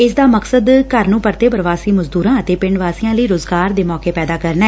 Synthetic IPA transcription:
ɪsd̪aːməksəd̪kəɾnũːpəɾt̪eːpəɾʋaːsiːməzd̪uːɾãːət̪eːpɪɳɖʋaːsiːjãːləiːɾoːzɡaːɾd̪eːmɔːkeːpɛːd̪aːkəɾnaɛː

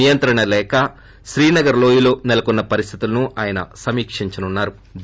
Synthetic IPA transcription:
ijɐnt̪ɾɐɳɐlɛːkɐ | ʃɾiːnɐɡɐɾlo̞ːjilo̞ːnɛlɐkunːɐpɐɾist̪ʰi̥t̪ulɐnuʔaːjɐnɐ̰sɐmiːkʂiɲt͡ʃɐnunːaːɾu | b

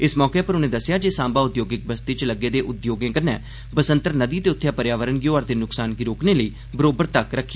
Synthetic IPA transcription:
ɪsmɔːkeːpəɾʊnẽːd̪əsːjaːd͡ʒeːsãːmbaːʊd̪joːɡɪk̚bəst̪it͡ʃləɡeːd̪eːʔʊd̪joːɡẽːkəɾnɛː | bəsənt̪əɾnəd̪iːt̪eːʊt̪ʰːjaːpəɾjaːʋəɾənɡɪjoːəɾt̪eːnʊksaːnɡiɾoːkneːləiː | bəɾoːbəɾt̪əkɾəkʰː

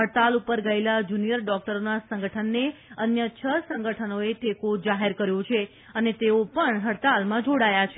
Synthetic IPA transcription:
ɦəɽt̪alupəɾɡəelad͡ʒunijəɾɖɔk̚ʈəɾonasəŋɡəʈʰənːeənjət͡ʃʰəsə̃ŋɡəʈʰənoeʈ̪ekod͡ʒaɦeɾkəɾjõt͡ʃʰe | ənet̪eopəɳɦəɽt̪almãd͡ʒoɽajat͡ʃʰe

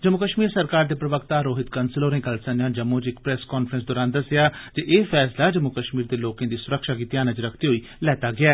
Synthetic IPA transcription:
d͡ʒəmʊkəʃmiːɾsəɾkaːɾd̪eːpɾəʋəkt̪aːɾoːɦɪt̪kənsɪloːɾẽːkəlsənjãːd͡ʒəmõːt͡ʃɪkpɾɛskɔːnfʰɾə̃ns̬d̪oːɾaːnd̪əsɪjaːd͡ʒeʔeːfʰɛːslaːd͡ʒəmʊkəʃmiːɾd̪eːloːkẽːd̪iːsʊɾəkʃaːɡiːt̪iaːnə̃t͡ʃɾəkʰt̪eːɦoiː | lɛːt̪aːɡɪɛː

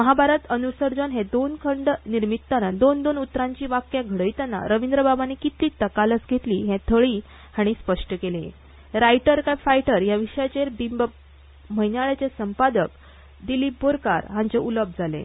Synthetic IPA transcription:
məɦabʱaɾət̪ənuɾsəɾd͡zənɦẽd̪onkʰəɳɖniɾmit̪ːanad̪ond̪onut̪ːɾãɲt͡ɕiːʋakjaɡʱəɽəjt̪anːa̰ɾəʋind̪ɾəbabanekit̪liːt̪əkalət͡sɡʱet̪liːɦɛ̃t̪ʰəɭiː | haɽ̃ispəʂʈəkelḛ̃ | ɾajʈəɾkajfajʈəɾjaʋiʂjat͡ɕeɾbimb | məjnaɭat͡ɕesəmpad̪ək | d̪iliːboɾka̰ɾɦãɲt͡ɕeʔuləb̚ʱd͡zʱalḛ̃

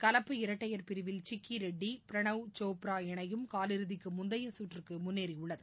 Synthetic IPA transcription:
kɐlɐpːɯɪɾɐʈːɐjɐɾpɪɾɯʋɪlt͡ʃɪkːiɾɛɖːipɪɾɐɳɐʋt͡ʃoːpɾaːɛɳɐjɯmkaːlɪɾɯðɪkːɯmʊnd̪ɐjɐsuːʈrɯkːɯmʊnːeːɾiʊɭːɐðɯ

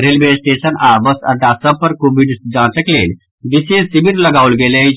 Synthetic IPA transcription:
ɾelʋesʈesənabəsɐ̰ʈ̪ːasəpːəɾkobiɖsd͡ʒãːt͡səklḛːl | d̪isẽsibiɾlɐɡaʋulɡeːle

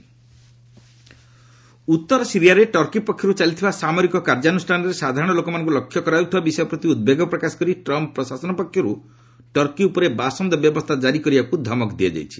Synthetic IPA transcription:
ut̪ːɔɾɔsiɾijaɾeʈɔɾkipɔkʰːjɔɾut͡ʃalit̪ʰibasamɔɾikɔkaɾd͡ʒanusʈʰanɔɾesad̪ʱaɾɔɽ̃ɔlokɔmanɔŋk̬ulɔkʰːjɔkɔɾaut̪ʰibabisɔjɔpɾɔt̪iud̪̚beɡɔpɾɔkasɔ̥kɔɾiʈɾɔmppːɾɔsasɔnɔpɔkʰːjɔɾu | ʈɔɾkiupɔɾebasɔnd̪ɔbjɔbɔst̪ʰad͡ʒaɾikɔɾibakud̪ʱɔmɔkd̪iad͡ʒa̰jt͡ʃʰi̥

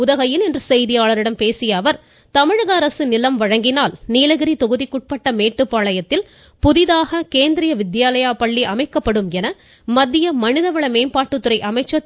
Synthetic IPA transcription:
ʊðɐɣɐjɪlɛndrɯsɛjðɪjaːɭɐɾɪɽɐmpeːsɪjɐːʋɐɾ | t̪ɐmɪɻɐɣɐɐɾɐsɯnɪlɐmʋɐɻɐŋɡɪnaːlniːlɐɣɪɾit̪ɔɣɯðikːʊʈ̚pɐʈːɐmeːʈːɯpːaːɭɐjɐt̪ːɪl | pʊðɪðaːɣɐkeːnd̪ɪɾɪjɐʋɪd̪jaːlɐjaːpɐɭːiʔɐmɐɪkːɐpːɐɽɯmɛnɐ | mɐd̪ːɪjɐmɐnɪðɐʋɐɭɐmeːmpaːʈːɯt̪ːɯɾɐɪʔɐmɐɪt͡ʃːɐ

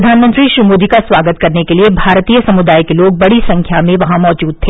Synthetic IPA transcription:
ɐd̪ʱaːnmə̃nt̪ɾiʃɾimoːd̪ʱikasʋaːɡət̪kɐɾnekeliebʱaːɾt̪iːjəsɐmʊd̪aːjkeloːɡ̚bɐɽisɐ̃ŋkʰjamẽʋɐɦãmɔːd͡ʒuːd̪̚t̪ʰeː

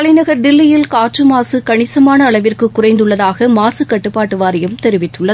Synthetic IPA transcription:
ɐlɐɪnɐɣɐɾd̪ɪlːɐjɪlkaːʈt͡ʃɯmaːsɯkɐɳɪsɐmaːnɐːɭɐʋɪrkɯkːʊrɐɪnd̪ɯɭːɐðaːɣɐmaːsɯkɐʈːɯpːaːʈːɯʋaːɾɪjɯmt̪ɛɾɪʋɪt̪ːɯɭːɐð

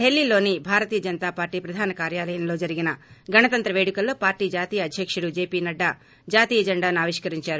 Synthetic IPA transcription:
ɦelːilo̞ːnibʱaːɾɐt̪iːjɐd͡ʒɐnɐt̪aːpaːɾʈːiːpɾɐd̪ʱaːnɐkaːɾjaːlɐjɐmlo̞ːd͡ʒɐɾiɡinɐɡɐnɐt̪ɐnt̪ɾɐʋe̞ːɽikɐlːo̞ːpaːɾʈiːd͡ʒaːt̪iːjɐːd̪ʱjɐkʂuɽud͡ʒe̞ːpiːnɐɖːa | d͡ʒaːt̪iːjɐd͡ʒɐɳɖaːnuaːʋiʂkɐɾiɲt͡ʃaːɾu

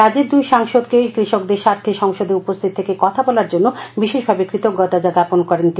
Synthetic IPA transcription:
ad͡ʑeɾd̪ujʃaŋʃod̪kekɾiʃokd̪eɾʃaɾt̪ʰːiʃɔŋʃod̪eupost̪ʰit̪ʰːekekɔt̪ʰabɔlaɾd͡ʑonːobiʃeʃbʱabekɾit̪oɡɔʈ̪ad͡ʑad̪aponkɔɾent̪i

